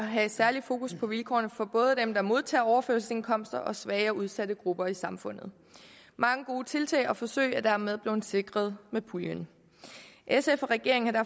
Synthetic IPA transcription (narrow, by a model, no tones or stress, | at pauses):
ɦæsæɐlifo̝ːkuspʰɒ̽ʋilkʰɒ̰ːnəfɒ̽b̥ɔ̽ːð̞̩ˠəd̥emd̥ɑ̈mo̝ð̞ˠt͡sʰɛ̰ːɒʊɐføɐsəse̝nkʰɒ̽m̰sd̥ɐʔɒ̽sʋɛɪɒuð̞ˠsæɾəɡ̥ʁub̥ɐisɑ̈mfɔ̽n̰ð̩ˠ | mɑ̈ŋəɡ̥oːt͡sʰe̝lt͡sʰɛ̰ːɪɒ̽fɒ̽sø̰ɪ̰æd̥æɐme̝ð̞ˠb̥le̝nse̝ɡ̥ʁɐð̞ˠmepʰuljən | ʔesefɒʁɛɡ̥e̝ɐ̰ŋ̩hɑ̈d̥æɐ